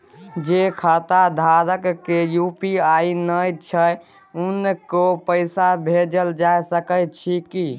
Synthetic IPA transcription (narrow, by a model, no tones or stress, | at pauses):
d͡ʒekʰat̪ad̪ʱaɾəkːejupiainəjt͡ʃʰə | unːekopəɪsabʱed͡ʒəld͡ʒajsəkəjt͡ʃʰiki